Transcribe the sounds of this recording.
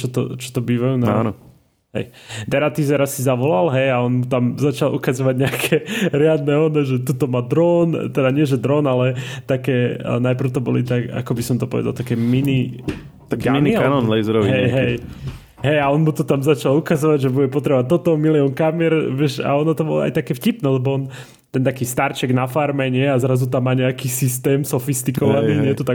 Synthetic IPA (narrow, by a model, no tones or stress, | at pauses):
t͡ʃɔt̪ɔ̰t͡ʃɔ̥t̪ɔbiːʋajunaanɔ | ɦɛ̰jd̪ɛɾat̪izɛɾasizaʋɔlalɦɛjaɔnmut̪amzat͡ʃalʔṵkazɔʋaɟɲɛakʰɛɾɪad̪nɛɔnɛʒɛt̪ut̪ɔmad̪ɾɔːnt̪ɛd̪aɲɪɛʒɛd̪ɾɔːnalɛt̪akɛːnajpr̩ʊt̪ɔbɔlit̪aka̰kɔbisɔmt̪ɔpɔʋɛ̰d̪alt̪akɛmini | t̪akminikanɔnlɛjzɛɾɔʋiɦɛjɦɛj | ɦɛjaɔnmut̪ɔt̪amzat͡ʃalukazɔʋaɟʒɛbuɟɛpɔt̪ɾɛbɔʋat̪ːɔt̪ɔmiliɔnkamɪɛɾʋɪɛʃa̰ɔnɔt̪ɔbɔlɔ̰a̰jt̪akɛːfcipnɛːlɛbɔɔn | t̪ɛnt̪akiːst̪aɾt͡ʃɛɡnafaɾmɛɲɪɛazɾazut̪amːaːɲɛakiːsist̪ɛːmsɔfist̪ikɔʋaniːɲɛt̪ut̪a